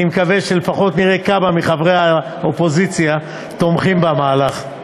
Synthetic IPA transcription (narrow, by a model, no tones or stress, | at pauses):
imkave̞ʃelefaχo̞t̪niʁekabamiχavʁea | opo̞zit͡sja | t̪o̞mχimbamaːlaχ